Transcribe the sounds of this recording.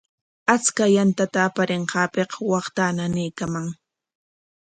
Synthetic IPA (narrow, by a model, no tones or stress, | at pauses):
at͡skajant̪at̪aːpaɾeɴqɑːpeqwɑχt̪ananɪjkamaŋ